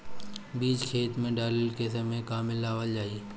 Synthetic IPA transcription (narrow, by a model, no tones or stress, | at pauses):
biːd͡ʒkʰeːt̪mẽɖaːləlkesəmẽkaːmɪlaːʋəld͡ʒaːie